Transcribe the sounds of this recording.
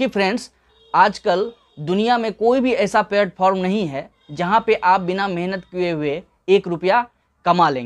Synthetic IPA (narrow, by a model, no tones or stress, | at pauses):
ipʰɾɛ̃ːɳɖs | aːd͡ʒkəl | d̪ʊnijamẽkoːibʱiɛːsapeːɾʈ̚fʰɔːɾmnɐɦĩɦɛ | d͡ʒɐɦãpeʔaːp̚bɪnamɛɦnət̪kieɦʊe | eːkɾʊpja | kɐmalḛ̃ːŋe